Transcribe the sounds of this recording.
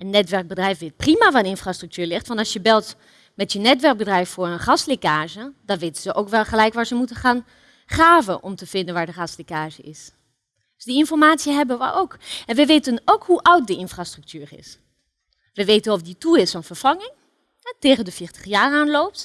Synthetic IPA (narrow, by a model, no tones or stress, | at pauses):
ənːɛtʋɛɹk̚bədrɛjfʋɪt̚primavadəɪnfrastr̥ʏk̚tyːɹlɪχtʋɑnɑlsjəbɛlˠt | mɛtjənɛtʋɛɹk̚bədrɛjffʊːɹənχɑslekaːʒəd̥ɑnʋeːtəzəʔowkʋɛlˠχəlɛjkʋaːɹzəmutəχaːn | χaːvənʔɔmtəv̥ɪndənʋaːɹdəχɑslekaːʒəʔɪs | d̥sdiɪnfɔɹmaːtsjəɦɛbənʋə̰ʔowkɛnʋəʋeːtənowkhuʔʌwt̚dəɪnfrastrʏk̚tʰyːrɪ̰s | ʋəʋeːtənɔfdituɪsfɔnfəɹfɑŋɪŋ | teːχəndəfɪːɹtə̥χjaːraːnlowp̚t